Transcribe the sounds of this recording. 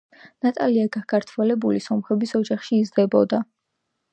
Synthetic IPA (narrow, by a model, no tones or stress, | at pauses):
nat̪ʼaliaɡakʰaɾt̪ʰvɛlɛbulisɔmχɛbisɔd͡ʒaχʃiːzd̪ɛbɔd̪a